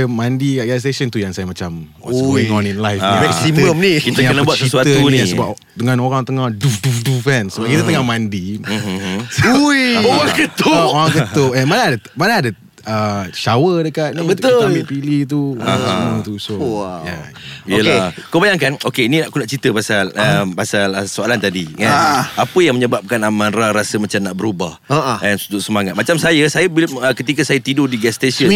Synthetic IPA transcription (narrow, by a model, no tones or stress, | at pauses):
mãndikaʔɡalis̬esənt̪ujaŋsajamãt͡ʃamwsɡoiŋɔ̃ninlajfmɛksiməmnikit̪əjaənabat̪t͡ʃ̪̚səisuat̪əunĩsəbap | t̪əŋãnoɾaŋt̪əŋahdufdufdufɛnsəbap̚kit̪ət̪əŋahmãndi | ujaŋɡət̪ʊoaŋɡətoʔɛnmanaadəmanaadə | əʃawədəkat̪̚nbət̪olipilit̪̬usũt̪usoaaijəlakobajaŋkanokenĩnaʔkunaʔt͡ʃit̪əpasaləmpasaləsoalant̪adiŋaapəjaŋməɲəbap̚kanamãnɾaɾasəmat͡ʃamnaʔbəɾubahaʔɛnsud͡ʒʊʔ̚səmaŋat̪̚mat͡ʃamsajəsajabiləkət̪ikəsajət̪idodiɡɛst̪esə